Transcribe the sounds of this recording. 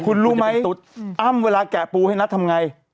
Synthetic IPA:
kʰu˧nɾuː˧˦˥ma˦˥jsu˨˦t̪̚ʔa˥˩mweː˧laː˧kɛː˨˩puː˧ha˥˩jna˦˥t̪ʰa˧mŋa˧j

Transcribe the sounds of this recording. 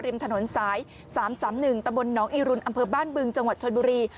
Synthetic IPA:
ɾi˧əmt̪ʰa˧no˩˦nsaː˩˦j | saː˩˦msaː˩˦mnɯ˨˩ŋt̪a˧mbo˧nːɔː˩˦˥ŋʔiː˧ɾu˧nʔa˧mpʰɤː˧baː˥˩nbɯ˧ŋt͡ɕa˧ŋwa˨˩t̪̚t͡ɕʰo˧nbuː˧ɾiː˧

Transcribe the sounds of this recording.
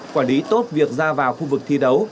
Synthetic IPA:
kwaː˧˩li˨˦t̪o˦˥t̚vi˨˩ək̚zaː˧vaː˨˩wxu˧vɨ˨˩k̚t̪ʰi˧ɗə˨˦w

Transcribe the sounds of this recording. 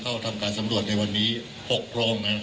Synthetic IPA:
kʰa˥˩wt̪ʰa˧mkaː˧nsa˩˦mɾu˨˩ət̪̚na˧jwa˧nːiː˦˥ | ho˨˩k̚pʰɾa˧ʔo˧ŋna˦˥˧

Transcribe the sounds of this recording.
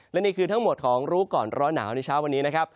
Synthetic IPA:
lɛ˦˥niː˥˩kʰɯː˧t̪ʰa˦˥ŋmo˨˩t̪̚kʰɔː˩˦ŋɾuː˦˥kɔː˨˩nɾɔː˦˥na̰ː˩˦wna˧jt͡ɕʰaː˦˥wa˧nːiː˦˥na˦˥kʰa˦˥p̚

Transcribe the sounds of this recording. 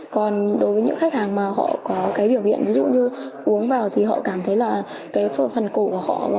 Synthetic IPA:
kɔ˨˩nɗo˨˦jvəː˨˦ɲɨ̰˧˥ŋxa˦˥k̚haː˨˩ŋmaː˨˩ɦɔ̰˧˨kɔ˨˦kaː˨˦jɓi˧˩əwhḭ˧˨ənvi˨˦zṵ˧˨ɲɨ˧ʔu˨˦əŋvaː˨˩wt̪ʰi˨˩ɦɔ̰˧˨kaː˧˩mt̪ʰə˨˦jlaː˨˩ | kaː˨˦jffə˨˩nko˧˩ku˧˩əhɔ̰˧˨

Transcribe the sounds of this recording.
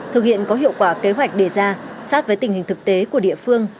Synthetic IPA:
t̪ʰɨ˨k̚hḭ˧˨ənkɔ˨˦ɦḭ˧˨əwkwaː˧˩ke˨˦ɦwa˨˩jk̟̚ɗe˧˩zaː˧saː˦˥t̚vəː˨˦jt̪ï˨˩ŋ̟hï˨˩ŋ̟t̪ɨ˨˩k̚t̪e˨˦ku˧˩əɗḭ˧˨əfɨ˧əŋ

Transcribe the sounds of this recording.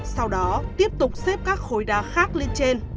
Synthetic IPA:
sa˧wɗɔ˨˦t̪i˦˥əp̚t̪ʊ˨˩k͡p̚sɛ˦˥p̚kaː˦˥k̚xo˧˩jɗaː˧˩xaː˦˥k̚le˧nt͡ɕe˧n

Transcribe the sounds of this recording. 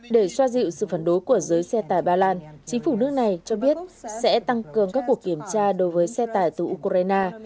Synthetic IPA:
ɗe˧˩swaː˧zḭ˧˨wsɨ̰˧˨faə˧˩nɗo˨˦jku˧˩əzəː˨˦jsɛ˧t̪aː˨˩jɓaː˧laː˧nt͡ɕï˨˦ŋ̟fu˧˩nɨ˦˥ək̚na˨˩jt͡ɕɔ˧ɓi˦˥ət̚sɛ̰˧˥t̪a˧ŋkɨ˨˩əŋkaː˦˥kːu˨˩əkːi˧˩əmt͡ɕaː˧ɗo˨˦jvəː˨˦jsɛ˧t̪aː˨˩jt̪ɨ˨˩ʔu˧kʔaː˧jnaː˧

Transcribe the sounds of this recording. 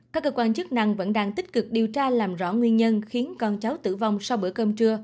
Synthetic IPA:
kaː˦˥k̚ːəː˧kwaː˧nt͡ɕɨ˦˥k̚na˧˨˩ŋvə̰˧˥nɗaː˧ŋt̪ï˦˥k̟̚kɨ˨˩k̚ɗi˨˩ət͡ɕaː˧laː˨˩mzɔ̰˧˥˩ŋwi˧ənɲə˧nxi˨˦nkɔ˧˩nt͡ɕa˨˦wt̪ɨ̰˧˩va˨˧wŋ͡msa˧wɓɨ̰˧˩əkəː˧mt͡ɕɨ˧ə

